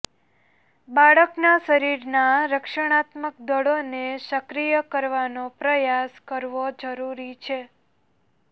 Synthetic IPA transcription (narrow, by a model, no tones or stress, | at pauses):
baɭəknaʃəɾiɾnaɾəkʃəɽ̃at̪mək̚d̪əɽoneʃəkɾijəkəɾʋanopɾəjaskəɾʋod͡ʒəɾuɾit͡ʃʰe